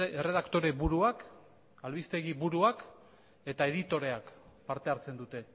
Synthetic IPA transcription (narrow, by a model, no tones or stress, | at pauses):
ere̞ð̞akt̪o̞ɾe̞βuɾuak | alβist̪e̞ɣ̞iβuɾuak | e̞t̪ae̞ð̞it̪o̞ɾe̞akpaɾt̪e̞aɾt͡se̞nd̪ut̪e̞